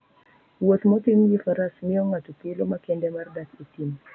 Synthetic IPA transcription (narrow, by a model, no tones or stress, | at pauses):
wot̪mɔtimjifaɾasmiɔŋatupilomakɛndɛmardakitim